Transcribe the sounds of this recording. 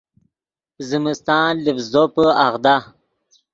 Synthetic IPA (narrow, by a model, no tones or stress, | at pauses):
zimist̪ɑːlifzopəaɣd̪a